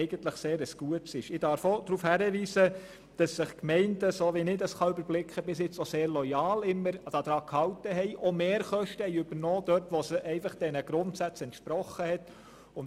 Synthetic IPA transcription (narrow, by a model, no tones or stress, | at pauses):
ɛɪɡ̥ənt̪ləχseːɾəsɡ̥uətsɪʃɪd̥ɑɾfod̪̥ɾuːfhæɾəʋiːsə | d̥ɑsːɪχkmɛɪndəsoːʋinɪdəsχɑʏbəɾblɪkχəbɪsjɪt͡sɔseːɾlɔjɑːlɪmːəɾd̥ɑd̥̪ɾɑːkhɑwtəɦɛjʔɔmeːɾχœʃtəhɛjʏb̥əɾnɔːd̥œtʋɔsəʔɛɪfɑχd̥ɛnəɡ̥ɾʊntsæt͡sɛntʃpɾɔχəhɛt | ʊn